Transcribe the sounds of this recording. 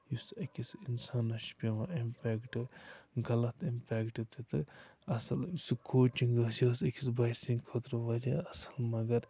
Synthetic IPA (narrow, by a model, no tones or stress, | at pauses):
jusɐkʲisinsaːnɐʃpʲiʋɐʔimpʲɛːkʈɨɡɐlɐt̪ʰimpʲɛːkʈɨt̪ʰɨt̪ɨɐsɐlsikʰoːt͡ʃiŋɡɐsjoːsɐkʲʰi̥sbɐjsiŋɡkʰoːt̪ɾɐʋɐɾʲaːɐsɐlmɐɡɐɾ